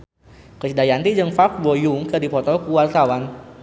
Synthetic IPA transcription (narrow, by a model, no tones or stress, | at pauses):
kət͡ʃidajant̪id͡ʒəŋfak̚bɔjuŋkədipɔt̪ɔkuwart̪awan